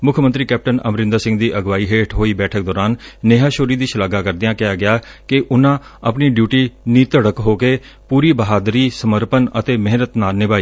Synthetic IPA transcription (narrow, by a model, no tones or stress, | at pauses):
mʊkʰmə̃nt̪ɾiːkɛːp̚ʈənə̰mɾɪ̃nd̪əsɪ̃ŋɡd̪iːʔəɡʋaːiːɦeːʈʰɦoːiːbɛːʈʰək̚d̪ɔːɾaːnːeːɦaːʃoːɾiːd̪iːʃəlaːɡaːkəɾd̪ɪjãːkɪaːɡɪjaːkɪʔʊnãː | əpniːɖjuːʈiːniːt̪əɽəkɦoːkeː | puːɾiːbəɦaːd̪ɾiːsəməɾpənə̰t̪eːmɪɦnət̪naːnɪbaːiː